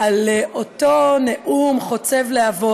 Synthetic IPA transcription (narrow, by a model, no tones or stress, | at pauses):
aleʔotoneʔumχo̞t͡sevleavo